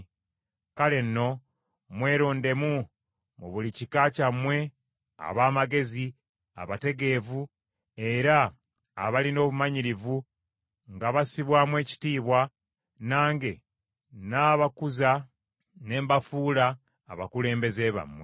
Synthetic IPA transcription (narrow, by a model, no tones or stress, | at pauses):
kale̞nːo̞ | mwe̞ːɾoːnde̞mu | muβulicikaːcamːwe̞ | a̰βaːmaɡe̞zi | a̰βate̞ɡe̞vu | e̞ɾa̰ː | βalino̞ːβumaɲiɾivu | ŋɡaβasiβwaːmwe̞ːci̥tiːβwa | naːŋɡe̞ | naːβakuza | ne̞ːmbafuːlaː | βakule̞ːmbe̞ze̞ːβa̰mwe